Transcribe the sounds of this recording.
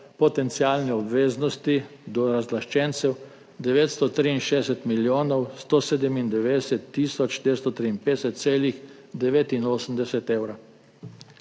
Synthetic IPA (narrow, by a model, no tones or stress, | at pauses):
pɔt̪ɛnt̪siaːlnɛɔbʋeːznɔst̪id̪ɔɾazlaʃt͡ʃɛnt̪sɛw | d̪ɛʋeːt̪st̪ɔt̪ɾiinʃeɛsɛt̪miljoːnɔwst̪oːseːd̪əmind̪ɛʋeːd̪ɛsɛt̪ːiːsɔt͡ʃd̪ʋeːɾst̪ɔt̪ɾiːnpeːd̪ɛsɛt̪t̪seːlix | d̪ɛʋeːt̪inoːsəmd̪ɛsɛt̪ewɾa